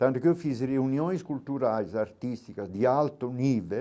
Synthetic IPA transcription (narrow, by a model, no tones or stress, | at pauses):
t̪ãnt̪ukɛwfisreunjonskult̪uɾajzaɾt̪ist̪ikazd̪ialt̪oniːve